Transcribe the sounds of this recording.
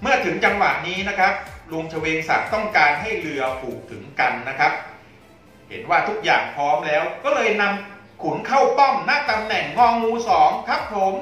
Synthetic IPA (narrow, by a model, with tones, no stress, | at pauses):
mɯ˥˩ɐt̪ʰɯ˩˦ŋt͡ɕa˧ŋwa˨˩ʔniː˦˥na˦˥kʰɾa˦˥p̚lu˧əŋt͡ɕʰa˧weː˧ŋsa̰˨˩k̚t̪ɔ˥˩ŋkaː˧nɦa˥˩jlɯ˧ɐpʰuː˨˩k̚t̪ʰɯ˩˦ŋka˧nːa˦˥kʰa˦˥p̚ | he˩˦nwaː˥˩t̪ʰu˦˥k̚jaː˨˩ŋpʰɔː˦˥mlɛː˦˥wkɔː˥˩lɤː˧jna˧m | kʰu˩˦nkʰa˥˩wp̪ɔ˥˩mna˦˥˩t̪a˧mnɛ˨˩ŋːɔː˧ŋmuː˧sɔː˩˦ŋkʰa˦˥p̚pʰo˨˦m